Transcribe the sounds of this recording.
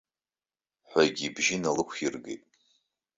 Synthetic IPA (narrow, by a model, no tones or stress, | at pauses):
ħʷaɡʲibʒɪnalɨkʷʰirɡejtʼ